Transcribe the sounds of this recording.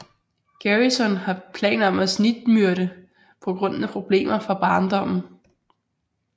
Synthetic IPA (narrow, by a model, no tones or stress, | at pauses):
ɡ̥æʁisɒ̽nhɑ̈pʰlɛ̰ːn̩ɒ̽mæsnid̥myɐɾə | pʰɒ̽ɡ̥ʁɔ̽n̰n̩æpʰʁo̝b̥le̝̰ːmɐfɑ̈b̥ɑ̈ːnd̥ɒ̽m̰n̩